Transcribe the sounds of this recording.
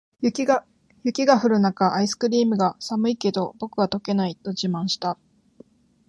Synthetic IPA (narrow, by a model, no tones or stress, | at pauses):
jʲ | jɯ̟kʲiɡaɸɯ̟ɾɯ̟nakaʔaisɨ̥kɯ̟ɾʲiːmɯ̟ɡasamɯ̟ike̞d̪o̞bo̞kɯ̟βat̪o̞ke̞nait̪o̞d͡ʑimãɰ̃ɕi̥t̪a